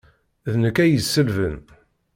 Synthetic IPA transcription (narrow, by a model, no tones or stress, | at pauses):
ðnəkːæjəsːəlvə̰n